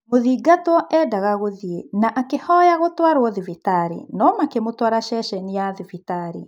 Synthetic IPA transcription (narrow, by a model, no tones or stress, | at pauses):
moðiːɡatwɔʔɛdaɣaɣoðienaʔakehɔjaɣotwaɾwɔðivitaɾḭnɔmakemotwaɾaʃɛʃɛnijaðivitaɾḭ